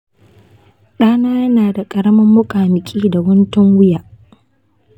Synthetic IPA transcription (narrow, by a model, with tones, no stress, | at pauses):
ɗaː˦naː˦jɐ˦naː˨da˨kʼɐ˨ɾɐ˦mɐ˦mːʊ˦kʼaː˨mɪ˨kʲʼiː˦da˨wʊ˦ntʊ˦ŋwʊ˦jaː˨ʔ